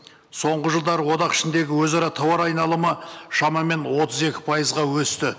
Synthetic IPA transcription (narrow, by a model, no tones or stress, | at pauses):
so̞ɴʁəʒəlˠd̪ɑɾəwo̞d̪ɑqɪ̥ʃɪnd̪e̞ɡʲɪwɵzɑɾɑt̪ʰɑwɑɾɑjnɑlˠəməʃɑmɑme̞nwo̞t̪əze̞kʲɪ̥pʰɑjəzʁɑwɵst̪ɪ